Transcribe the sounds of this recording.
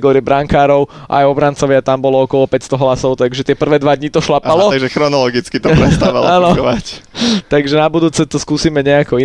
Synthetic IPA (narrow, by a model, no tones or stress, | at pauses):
ɡɔːɾɪɛbɾaŋkaːɾɔʊʔa̰jɔbɾant͡sɔʋɪat̪ambɔlɔɔkɔlɔpɛcst̪ɔɦlasɔʊt̪aɡʒɛt̪ɪɛpr̩ʋɛːd̪ʋad̪ɲit̪ɔʃlapalɔaʒɛxɾɔnɔlɔɡit͡skit̪ɔpɾɛst̪aʋa̰laːnɔɔʋact̪aɡʒɛnabud̪uːt͡sɛt̪ɔskuːsiːmɛɲɛakɔi